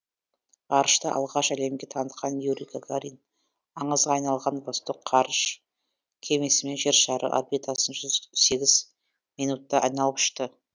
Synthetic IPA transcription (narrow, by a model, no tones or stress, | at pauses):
ɑɾəʃt̪əʔɑ̰lˠʁɑʃæle̞mɡʲe̞t̪ʰɑnət̪̚qɑnjuɾʲikaɡaɾijn | ɑɴəzʁɑɑjnɑlˠʁɑnbost̪oqqʰɑɾəʃ | kʲʰe̞me̞sɪme̞nʒe̞ɾʃɑɾə̰ʔa̰rbit̪asənʒʏzse̞ɡʲɪz̥ | mijnut̪ːɑʔɑjnɑlˠəpʏ̥ʃt̪ə